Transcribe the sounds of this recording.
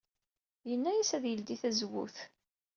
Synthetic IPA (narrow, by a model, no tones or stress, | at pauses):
jənːæjæsæðjəld̪iθæzwṵθ